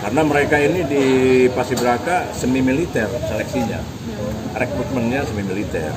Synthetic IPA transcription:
karnaməɾekainidipasibəɾakasəmimilit̪ɛrselɛk̚siɲa̰ | rɛkɾut̪̚mənɲasəmimilit̪ɛ̰r

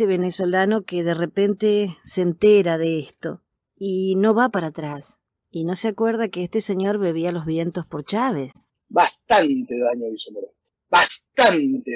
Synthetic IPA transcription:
eβe̞neso̞lano̞keðerepent̪esent̪eɾaðeest̪o̞̰ | ino̞βapaɾat̪ɾas | ino̞seakweɾð̞akeest̪eseɲo̞ɾβe̞β̞ialo̞zβje̞nt̪ospo̞ɾt͡ʃaβes | bast̪ant̪eðaɲoβisomeɾ | bast̪ant̪e

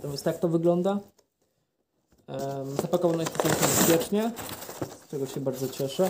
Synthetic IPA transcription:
t̪ɔvʲɛst̪ak̚t̪ɔvɘɡlɔnd̪a | zapakɔvanɔjɛsɔp̪ʲak̪ɛbɛspʲjɛt͡ʂɲɛ | st͡ʂɛɡɔɕɛbaɾd̪zɔt͡ɕɛʂɛ

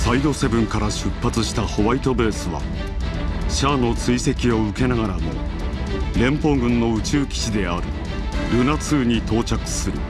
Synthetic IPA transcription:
said̪o̞se̞bɯ̟̃ŋkaɾaɕɨpːat͡sɨɕi̥t̪aho̞βait̪o̞be̞ːsɨβa̰ | ɕaːno̞t͡sɨise̞kʲio̞ɯ̟ke̞naɡaɾamo̞̰ | ɾẽ̞mpo̞ːɡɯ̟̃nːo̞ɯ̟t͡ɕɨːkʲi̥ɕid̪e̞aɾɯ̟̰ | ɾɯ̟nat͡sɨːɲ̟it̪o̞ːt͡ɕakɯ̟̥sɨɾɯ̟̰

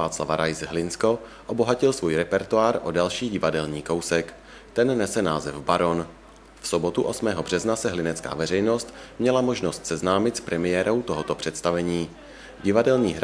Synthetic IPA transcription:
aːt͡sla̰vaɾajzɦlɪnsko̞ʔo̞bo̞ɦacɪlsvuːjɾɛpɛɾt̪uaːɾʔo̞dalʃiːɟɪvadɛlɲiːko̞wsɛk | t̪ɛnːɛsɛnaːzɛvbaɾo̞n | fso̞bo̞t̪uʔo̞smɛːɦo̞br̝̥ɛznasɛɦlɪnɛtt͡ska̰ːvɛrɛjno̞st̪mɲɛlamo̞ʒnost̪sɛznaːmɪt̪spɾʔɛmɪjɛːɾo̞wt̪o̞ɦot̪opr̝̥ɛt̪st̪avɛɲiː | ɟɪvadɛlɲiːɦɾ

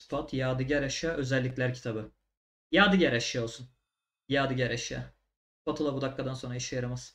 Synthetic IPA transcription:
fat̪ʰjaːd̪ɯɟæɾaʃjaːʔø̞zɛlʲːicʲlʲæɾcʰi̥t̪ʰabɯ | jaːd̪ɯɟæɾɛʃjao̞lˠsun | jaːd̪ɯɟæɾaʃja̰ː | fat̪ʰɯlˠabud̪akːad̪anso̞nɾaiʃjajaɾamas

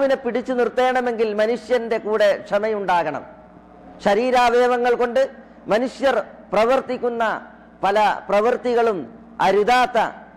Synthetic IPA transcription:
ʋinepːiɽit͡ɕːunirt̪ːe̞ːɳɐme̞ŋɡilmɐnuʂjɐnde̞kuːɽe̞kʂɐmɐjuɳɖaːɣɐɳɐ̰m | ɕɐɾiːɾaːʋeːʋɐŋːɐɭko̞ɳɖɨ | mɐnuʂjɐrprɐʋɐrt̪ikʲːunːɐ | pɐlɐprɐʋɐrt̪iɣɐɭum | ɐ̰ɾud̪aːt̪ːɐ̰

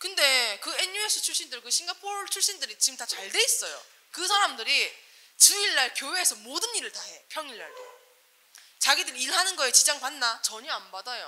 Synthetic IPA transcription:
kɯnde̞kɯe̞ɲue̞sʰɯt͡ɕʰuɭɕ͈indɯɭkɯɕʰiŋɡapʰot͡ɕʰuɭɕ͈indɯɾit͡ɕiɡɯmtat͡ɕaɭde̞is͈ʌjo̰ | kɯsʰaɾamdɯɾi | t͡ɕɯiɭːaɭkjowe̞ːsʰʌmodɯnːiɾɯɭtaɦe̞pʰjʌŋiɭːa̰ɭ | t͡ɕaɡidɯɾiiɭɦanɯnɡʌet͡ɕid͡ʑaŋpanːat͡ɕʌɲʌambadajo

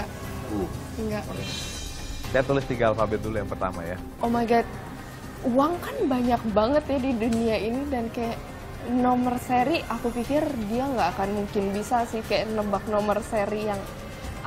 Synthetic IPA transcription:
ŋɡaʔ | sajat̪ulɪst̪iŋɡalfabɪt̪̚dulujaŋpərt̪a̰ma̰ja̰ | ʔomaɡɛt̪̚ | uwaŋkanbaɲak̚baŋət̪jadiduniainidankajaʔ | nomərseɾiʔakupikɪrdiaŋɡaːkanmuŋkɪnbisasɪhkajaʔnəbak̚nomərseɾijaŋ

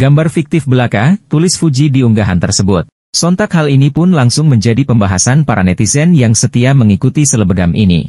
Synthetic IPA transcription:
ɡambarfik̚t̪ɪfbəlakat̪ulɪsfud͡ʒidiuŋɡaɦa̰nt̪ərsəbʊt̪̚ | sɔnt̪akhalinipʊnlaŋsʊŋməɲd͡ʒadipəmbaɦasanpaɾʔanɛt̪isɛnjaŋsət̪iaməŋikut̪isələbəɡamʔinḭ

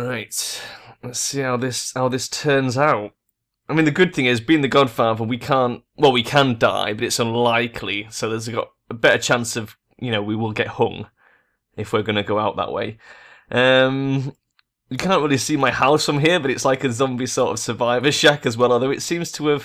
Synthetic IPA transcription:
ɹaɪtlɛtsihaʊðɪshaʊðɪstʰɜ˞nzaʊt̚ | aɪmĩnðɨɡʊd̪̚θɪ̃ŋɪzbiɪ̃ŋðɨɡɑd̥fɑðə˞wikʰæ̃nt | wʔɛlˠwikʰə̃nd̥a̰ɪbʌɾɨtsʌ̃nlaɪkʰlisoʊðə˞zɡɑ̰ɾ | əbɛɾət͡ʃʰãnsʌv | jɨnoʊwiwɪlˠɡɛt̚hʌ̰̃ŋ | ɪfwɪɹɡʌnɨɡoʊaʊʔ̪̚ðə̰ʔwḛɪ | ʔʌ̃m | jɨkʰãnnt̚ɹɪlˠisimaɪhaʊsə̃ɪ̃mɦiɹbʌɾɨtslaɪkɨzʌ̃mbisɔˑɹɾʌ̰v̥sə˞vaɪvəʃakɨzwɛlˠəðoʊɨtsĩmz̥tʰəːv̥

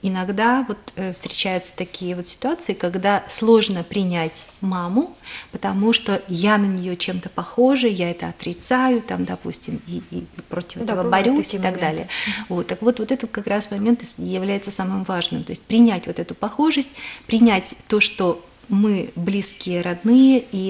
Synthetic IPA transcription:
ɪnɐɡd̪avo̞t̪əfst̪ɾʲɪt͡ɕæjʊt̪sə̥t̪ɐkʲijəvo̞t̪sʲɪ̥t̪ʊat̪sɨɪkɐɡd̪aslˠo̞ʐnəpɾʲɪnʲætʲmamʊpət̪ɐmuʂt̪o̞janənʲɪjot͡ɕe̞mt̪əpɐxo̞ʐɨjaɛt̪əɐt̪ɾʲɪt̪sajʊt̪amd̪ɐpṵsʲtʲɪmiːpɾotʲɪ̥fɛt̪vəbɐɾʲusʲɪt̪ɐɡd̪alʲɪɪjəvo̞t̪ːəkvo̞t̪vo̞t̪ɛt̪ət̪kɐkɾasmɐmʲe̞nt̪ɨjɪvlʲæjɪt̪səsamɨmvaʐnɨmt̪o̞ɪsʲtʲpɾʲɪnʲætʲvo̞t̪ɛt̪ʊpɐxo̞ʐəsʲt̚ʲpɾʲɪnʲætʲt̪o̞ʂt̪o̞ | mɨblʲiskʲɪjəɾɐd̪nɨjəi

